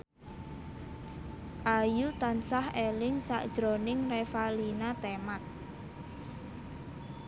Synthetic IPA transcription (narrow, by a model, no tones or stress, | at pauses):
ʔajut̪ansahelɪŋsa̰ʔd̥ʒ̥ɾonɪŋrefalinat̪emat̪̚